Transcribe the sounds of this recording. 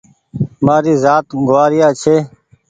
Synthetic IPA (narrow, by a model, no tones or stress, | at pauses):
maːɾiːzaːt̪ɡʊaːɾɪjaːt͡ʃʰeː